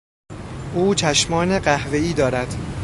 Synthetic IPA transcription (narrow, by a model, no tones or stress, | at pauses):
ʔuːt͡ʃʰæʃmɒːne̞ɢæhve̞iːd̪ɒːɾæd̪̥